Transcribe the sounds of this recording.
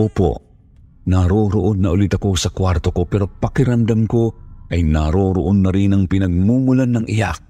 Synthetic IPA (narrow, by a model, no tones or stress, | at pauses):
oːpo̰ | naɾoɾoʔonːɐʔʊlit̪ɐko̞sɐkwaɾt̪o̞ko̞pɛɾo̞pɐkɪɾɐmd̪amkoʔɐjnaɾoːɾo̰ʔonːɐɾinɐŋpɪnɐɡ̚muːŋulanːɐŋʔḭja